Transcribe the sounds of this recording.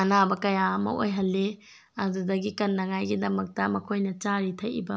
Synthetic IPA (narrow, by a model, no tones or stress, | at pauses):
ɐnabɐkɐjamɐ̰o̰jɦɐlːe | ɐdudɐɡikɐnːɐŋajɡidɐmɐk̚tɐmɐkʰojnɐt͡ʃaɾitʰɐjḭbɐ